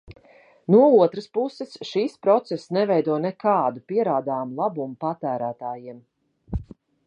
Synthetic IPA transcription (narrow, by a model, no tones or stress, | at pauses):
nuɔuɔt̪ɾəspusɛsʃiːspɾɔt̪sɛsnɛvɛjd̪uɔnɛkaːd̪upiɛɾaːd̪aːmlˠabumupat̪æːɾæːt̪aːjiɛm